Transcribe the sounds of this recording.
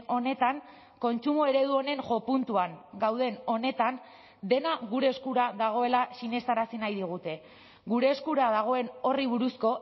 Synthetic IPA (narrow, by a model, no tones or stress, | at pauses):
o̞ne̞t̪aŋ | ko̞nt͡ʃumoe̞ɾe̞ð̞uo̞ne̞ŋʝo̞punt̪uaŋɡawðe̞no̞ne̞t̪an | d̪e̞naɣuɾe̞ːskuɾaðaɣ̞o̞e̞lasine̞st̪aɾasinajðiɣ̞ut̪e̞ | ɣuɾe̞ːskuɾaðaɣ̞o̞e̞no̞riβ̞uɾusko̞